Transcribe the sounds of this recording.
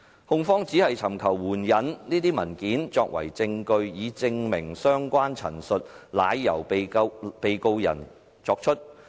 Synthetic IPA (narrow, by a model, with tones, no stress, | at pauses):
hʊ˧ŋfɔː˥ŋt͡siː˨˥hɐ˨jt͡sʰɐ˨˩mkʰɐ˨˩wːuː˨˩njɐ˨˥nniː˥t̪iː˥mɐ˨˩nkiː˨˥nt͡sɔː˧k̚wɐ̰˨˩jt͡sɪ˧ŋkɵ˧ɥjiː˨˧t͡sɪ˧ŋmɪ˨˩ŋsœː˥ŋkʷaː˥nt͡sʰɐ̰˨˩nsɵ˨t̚la̰ː˨˧jːɐ˨˩w | pe˨jko˧wjɐ̰˨˩n | t͡sɔː˧k̚t͡ʃʰɵ˥t̚